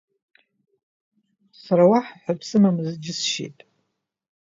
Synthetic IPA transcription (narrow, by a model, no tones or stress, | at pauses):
saɾawaħħʷapʰsɨmamɨzd͡ʒɪsʃḛtʼ